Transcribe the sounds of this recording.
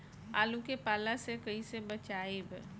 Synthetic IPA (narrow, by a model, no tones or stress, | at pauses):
a̰ːlũkepaːlasekɐɦisebɐt͡ʃaːeb